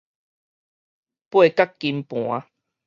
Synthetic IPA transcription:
pwe˥˨ka˦kːi˧mpw̃a˦

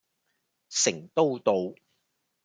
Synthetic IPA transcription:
sɪ˨˩ŋt̪o˥wt̪o˧w

